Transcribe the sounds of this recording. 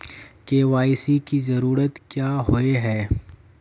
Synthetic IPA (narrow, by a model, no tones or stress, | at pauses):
keːʋaːɪsikizɐɾuːɾət̪kjaːɦoeɦɛː